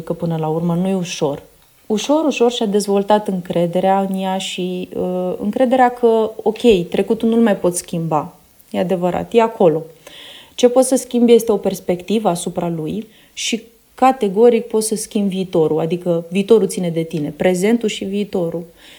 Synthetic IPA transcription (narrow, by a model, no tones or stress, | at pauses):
kəpɨnəlaurmənujeuʃo̞r | uʃo̞ɾuʃo̞rʃiad̪e̞zvo̞lt̪at̪ɨŋkɾe̞d̪e̞ɾeaɨnjaʃiəɨ̰ŋkɾe̞d̪e̞ɾeakʰəo̞kʲe̞jt̪ɾe̞kut̪unulmajpo̞t̪skʲimba | je̞ad̪e̞vəɾa̰t̪je̞ako̞lo̞t͡ʃe̞po̞t̪səskʲimbje̞st̪e̞o̞pe̞rspe̞kt̪ivəasupɾaluj | ʃi | kat̪e̞ɡo̞ɾik̚po̞t̪səskʲimbviːt̪o̞ɾuad̪ikəviːt̪o̞ɾut̪sine̞d̪e̞t̪ine̞pɾe̞ze̞nt̪uʃiviːt̪o̞ɾu